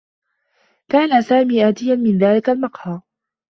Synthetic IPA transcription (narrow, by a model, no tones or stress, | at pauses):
kaːnasaːmiːʔaːt̪ɪjanmɪnðaːlɪkalmɑqhɑː